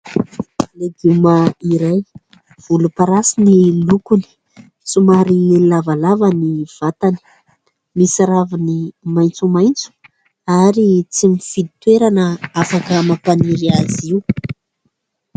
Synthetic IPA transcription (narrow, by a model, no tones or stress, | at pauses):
leɡumaiɾaj | v̥ulupaɾasinilukuni̥ | t͡sumaɾilavalavaniv̥at̪ani̥ | misaɾavinimajnt͡sumajnt͡su̥ | aɾit͡simifid̪it̪weɾanəafakəmapaniɾiaziu